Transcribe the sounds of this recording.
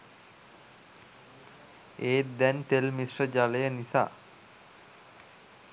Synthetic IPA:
eːd̪ɛnt̪elmisrəd͡ʒaləjənisa̰ː

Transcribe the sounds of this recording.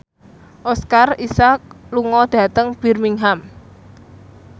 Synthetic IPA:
ʔɔskarisak̚luŋɔd̪̥a̤t̪əŋb̥i̤rmiŋɦam

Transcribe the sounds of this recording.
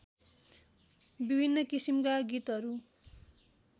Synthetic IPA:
bibʱinːʌkisimkaɡit̪ɦʌɾu

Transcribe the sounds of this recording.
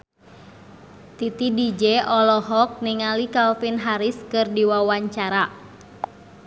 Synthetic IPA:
t̪it̪idid͡ʒɛʔɔlɔɦɔk̚niŋalikalfinɦaɾiskɨrdiwawaɲt͡ʃaɾa

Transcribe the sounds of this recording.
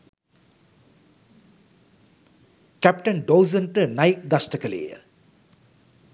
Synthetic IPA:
kæpʈənɖowzənʈənajik̚d̪asʈəkəlḛjə̰

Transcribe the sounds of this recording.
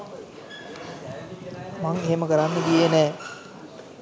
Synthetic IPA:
maŋeɦeməkəɾanːəɡijenɛː

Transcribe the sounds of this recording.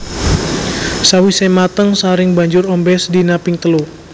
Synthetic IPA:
sawisɛmat̪əŋsaɾɪŋbaɲd͡ʒʊrɔmbɛsdinapɪŋt̪əlu

